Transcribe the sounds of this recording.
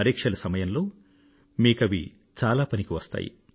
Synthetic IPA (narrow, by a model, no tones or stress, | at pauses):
ɐɾiːkʂɐlɐsɐmɐjɐnlo̞ː | miːkɐʋḭ | t͡ʃaːlaːpɐnikiʋɐst̪a̰ːjḭ